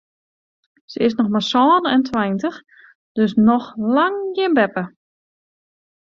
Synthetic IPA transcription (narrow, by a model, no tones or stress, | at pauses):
səɪsnɔxmasɔːnɛntʰwɛjntəx | d̥øsnɔxlaŋɡɪnbɛpə